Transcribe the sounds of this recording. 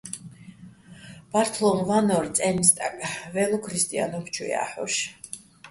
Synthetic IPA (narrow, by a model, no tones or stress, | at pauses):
b̥aɾt̪ʰlˠɔmvanɔɾt̪sʼɛnist̪ʼakʼvɛlˠɔkʰɾist̪ʼia̰nɔkʰt͡ʃʰwḭa̰ħɔ̰ʃ